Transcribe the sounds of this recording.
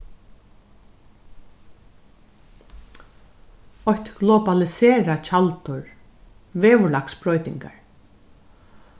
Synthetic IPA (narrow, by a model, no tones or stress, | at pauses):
ɔhçt̪ɡlɔbalɪseːɾat͡ʃʰalt̪ʊɹ | ʋeːʋʊlaksbɾɔjt̪ɪ̰ŋka̰ɹ